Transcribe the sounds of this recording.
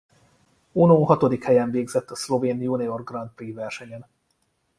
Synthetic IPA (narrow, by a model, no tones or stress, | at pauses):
unoːɦɒt̪o̞d̪ikhɛjɛɱveːɡzɛt̪ːɒslo̞veːnjuniorɡrɒnt̪̚priːvɛrʃɛɲɛn